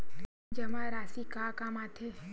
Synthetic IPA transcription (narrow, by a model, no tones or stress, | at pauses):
d͡ʒɐmãɾaːsikaːkamat̪ʰe